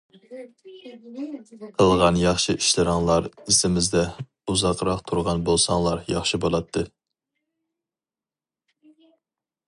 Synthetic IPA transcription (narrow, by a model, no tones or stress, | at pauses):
qʰəlˠʁɑnjɑχʃiʔiʃlɨɾɑŋlˠɑɾisɪmɪzd̪ɛ | uzɑqɾɑqt̪ʰuɾʁɑnbolˠsɑŋlˠɑɾjɑχʃibolˠɑt̪ʰːɨ